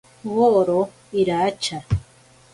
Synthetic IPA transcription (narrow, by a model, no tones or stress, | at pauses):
woɾo | iɾat͡ʃa